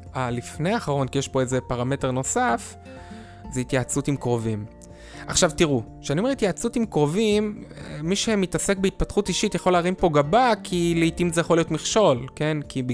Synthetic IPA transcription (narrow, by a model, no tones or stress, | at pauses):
alifne̞jaːχaʁo̞nkijeʃpo̞eze̞paʁame̞te̞ʁno̞saf | zehitjat͡sutimkʁo̞vim | aχʃavtiʁuʃeaniomeitjat͡sutimkʁo̞vimːiʃe̞mitase̞k̚beit̚pat̪χutiʃitjaχo̞laʁimpo̞ɡabakʰileitimzejaχolijo̞tmiχʃo̞lke̞nkib